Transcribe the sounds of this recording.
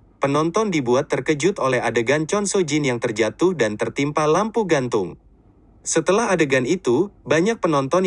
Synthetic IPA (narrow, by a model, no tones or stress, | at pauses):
pənɔnt̪ɔndibuat̪ːərkəd͡ʒʊt̪olɛɦadəɡant͡ʃɔnsod͡ʒinjaŋt̪ərd͡ʒat̪ʊhdant̪ərt̪impalampuɡant̪ʊŋ | sət̪əlaɦadəɡanit̪ubaɲak̚pənɔnt̪ɔn